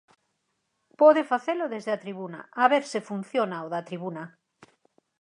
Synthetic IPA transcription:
pɔðefaθeloðezðeat̪ɾiβuna̰aβeɾsɪfun̟θjonaoðɐt̪ɾiβunɐ

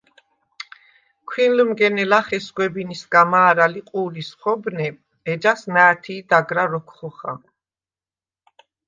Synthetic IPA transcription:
kʰwinlmɡɛnɛlaχɛsɡwɛbinisɡamaːɾaliqʼuːlisχɔbnɛ | ɛd͡ʒasnaːt̪ʰiːd̪aɡɾaɾɔkʰχɔχa̰

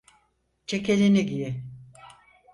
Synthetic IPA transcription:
t͡ʃʰekelʲiniɟiji

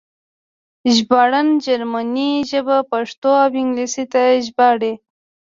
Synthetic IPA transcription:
ʒbaɽand͡ʒaɾmaniʒəbapaʂt̪oawɪŋɡlisit̪aʒbɑɽe

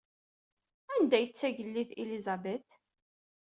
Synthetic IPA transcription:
ænd̪æjət͡sːæʝəlːiθḭlizæbet̪

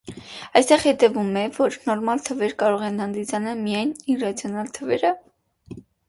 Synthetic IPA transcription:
ɑjst̪ɛʁhɛt̪ɛvumɛvɔɾnɔɾmɑlt̪ʰəvɛɾkɑɾɔʁɛnhɑnd̪it͡sʰɑnɑlmijɑjnirɑt͡sʰjɔnɑlt̪ʰəvɛɾə

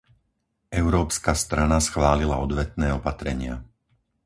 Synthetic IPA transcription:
ʔɛʊɾɔːpskast̪ɾanasxʋaːlilaɔd̪ʋɛt̪nɛːɔpat̪ɾɛɲɪa

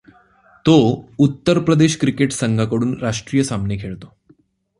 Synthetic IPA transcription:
t̪out̪ːəɾpɾəd̪eɕkɾikeʈsəŋɡʱakəɽuːnɾaʂʈɾijəsamnekʰeɭt̪o

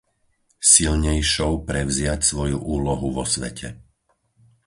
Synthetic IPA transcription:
silɲɛjʃɔʊpɾɛvzɪacsʋɔjuʔuːlɔɦuʋɔsʋɛ̰cʰɛ

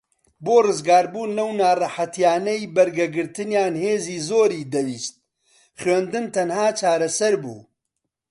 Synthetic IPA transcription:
boːrɨzɡaːɾbuːnlɐwnaːrɑħɐt̪jaːnɛjbɐɾɡɐɡɨɾt̪ɨnjaːnheːziːzoːɾiːd̪ɐwiːst̪̚ | χɥend̪ɨnt̪ʰɐnhaːt͡ʃʰaːɾɐsɐɾbṵː

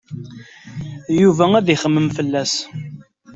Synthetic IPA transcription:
juvææðiχəmːəmfəlːæs

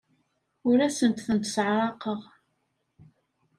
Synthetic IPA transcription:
ʊɾæsənt̪θənt̪sʕɾˤɑqəʁ

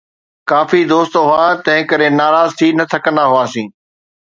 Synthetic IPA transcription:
kaːfid̪oːst̪ɦʊaːt̪ɐ̃ɦɪ̃kəɾenaːɾaːzt̪ʰiːnɐt̪ʰɐkə̃nd̪aɦʊaːsĩː

